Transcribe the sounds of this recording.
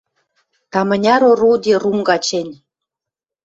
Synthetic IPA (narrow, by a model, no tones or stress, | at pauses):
t̪ɑmɤ̆nʲɑɾorud̪ʲeruŋɡɑt͡ɕenʲ